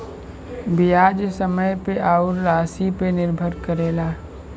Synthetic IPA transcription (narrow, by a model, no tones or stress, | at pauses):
bijaːd͡ʒsəməjpeʔaːʊɾːaːsipenɪɾbʱəɾkəɾeːlaː